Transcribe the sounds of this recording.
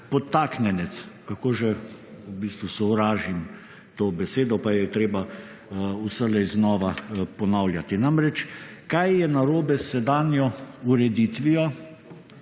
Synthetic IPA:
pɔt̪ːaknɛnɛt̪skakoːʒɛubiːst̪ʋusɔwɾaːʒim | t̪oːbɛseːd̪ɔpajɛt̪ɾeːba | usəlɛjznɔːʋapɔnawlʲjat̪inamɾɛt͡ʃkajjɛnaɾoːbɛsɛd̪aːnjɔuɾɛd̪it̪ʋiɔ

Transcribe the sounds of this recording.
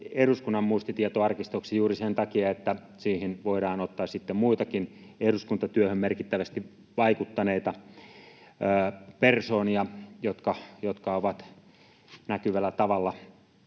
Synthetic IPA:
eruskunːɑmmuist̪it̪iet̪oɑrkist̪oksijuːɾisent̪ɑkiɑet̪ːæ | siːhinʋoiɾɑːnot̪ːɑːssit̪ːemmuit̪ɑkineruskunt̪ɑt̪yøhømmerkit̪ːæʋæst̪i | ʋɑikut̪ːɑneit̪ɑ | persoːniɑjot̪kɑjot̪kɑoʋɑt̪ | nækyʋælːæt̪ɑʋɑlːɑ

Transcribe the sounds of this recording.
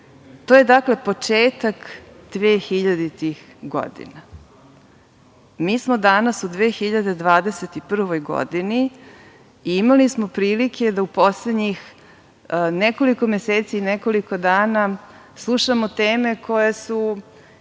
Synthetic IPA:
t̪oːje̞d̪akle̞po̞t͡ʂeːt̪akd̪̥ʋeːxiʎad̪it̪ix | ɡo̰d̪ḭna | miːsmo̞d̪anasud̪ʋeːxiʎad̪e̞d̪ʋaːd̪e̞set̪ipr̩ʋo̞jɡo̰d̪ini | iimalismopɾiːlikʰe̞d̪aupo̞sled̪ɲix | neko̞liko̞mjeseːt̪siːneko̞liko̞d̪aːna | slˠuʃamot̪eːme̞kʰo̞jesu

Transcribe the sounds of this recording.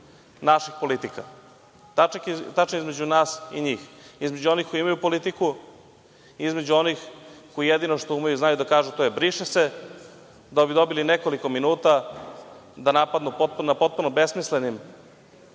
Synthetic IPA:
naʃixpo̞lit̪ika | t̪akt̪at͡ʃnaizme̞d͡ʑunaːsḭɲiːxizme̞d͡ʑuo̞nixkoiimajupo̞lit̪iku | izme̞d͡ʑuonixko̞jijed̪inoʃt̪oumajuznajud̪akaːʒut̪ojebɾiʃese | d̪aobid̪o̞bilinekolikominuːt̪a | d̪anapad̪nupot̪̚punapo̞t̪̚punobesmislenim

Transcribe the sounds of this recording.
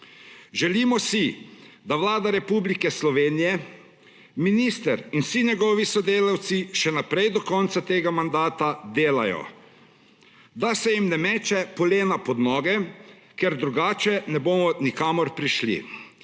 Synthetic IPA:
ʒɛlimɔsid̪aʋlaːd̪aɾɛpublikɛslɔʋeːnijɛ | minist̪ɛɾinsiɲɛɡɔʋisɔd̪eːlawt̪siʃɛnapɾɛjd̪ɔkɔnt̪sat̪eːɡamand̪aːt̪ad̪eːla̰jɔ̰ | d̪asɛjimnɛmɛːt͡ʃɛpɔleːnapɔd̪nɔːɡɛ | kɛɾd̪ɾuɡaːt͡ʃɛnɛboːmɔnikaːmɔɾpɾiʃlḭ

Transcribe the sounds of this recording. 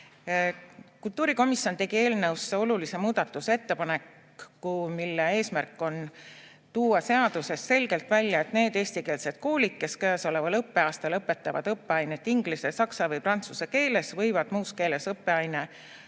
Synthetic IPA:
kult̪ːˑuːɾiko̞misjo̞nt̪e̞ɡ̥ie̞ːlnɤwseo̞lulise̞muːd̪̥ɑt̪ːˑuse̞t̪ːe̞pɑnekː | umilːee̞ːsmærkːˑo̞n | t̪uːɑse̞ɑd̪̥use̞sːe̞lʲɡ̥e̞lt̪vælʲjɑe̞t̪ne̞ːd̪e̞ːsʲt̪ike̞ːlse̞d̪̥̚koːlikːe̞skæːso̞le̞vɑlɤpːe̞ɑːst̪ɑlɤpːˑe̞t̪ːˑɑvɑ̰d̪̥ɤpːeɑjnet̪ːˑiŋɡ̥lisesɑksɑvɤjprɑnt̪suseke̞ːle̞svɤjvɑd̪̥muːske̞ːle̞sɤpːe̞ɑjne

